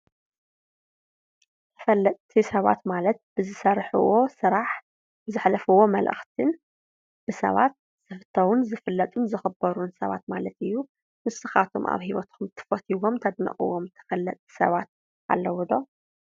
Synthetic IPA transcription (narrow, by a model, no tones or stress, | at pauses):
tʰɐ̥fɐlːɐt̪ʼt̪ʰisɐβa̰t̪malɐt̪̚b̥ɨzɨsɐɾħṵwosɨɾaħ | bɨzɨħlɐfuwo̞mɐlʔɨ̰xt̪ʰɨn | b̥ɨsɐ̰βa̰t̪̚ | z̥ɨfɨt̪ʰːɐwunzɨfɨlːɐt̪ʼunzɨxɨbɐɾunsɐβa̰t̪̚malɐt̪ɨjːu | mɨsɨxat̪ʰo̰mʔa̰βhiwɐt̪kʰumt̪ʰɨ̥fɐt̪ʰiwomt̪ʰɐd̪mɐ̰χʼɨ̰womt̪ʰɨ̥fɐlːɐt̪ʼi̥sɐ̰βat̪̚ | ʔa̰lːɐwɔd̪o̞